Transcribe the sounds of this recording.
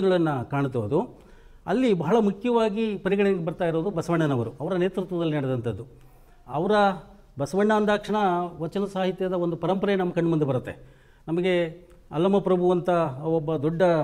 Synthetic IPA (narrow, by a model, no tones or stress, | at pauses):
ɡɐɭɐnːɐkaːɳt̪ɐʋɐd̪u | ɐ̰lːibɐɦɐɭɐmukʰjɐʋaːɡipɐɾiɡɐɳɛjɐɡebɐɾt̪aːjiɾoːd̪ubɐsɐʋɐɳːɐnɐʋɐɾuɐʋɐɾɐne̞ːt̪ɾut̪ʋɐd̪ɐlːinɐɽɛd̪ɐnt̪ʰɐd̪ːu | ɐʋɐɾɐ | bɐsɐʋɐɳːɐːnd̪aːkʂɐɳɐʋɐt͡ʃːɐnɐsaːɦit̪jɐd̪ɐond̪upɐɾɐmpɐɾɐnɐmːɐkɐɳːmund̪ebɐɾut̪ːe̞ | nɐmɐɡe̞ | ɐ̰lːɐmɐpɾɐbʱuʋɐnt̪ɐɔbːɐd̪ɔɖːɐ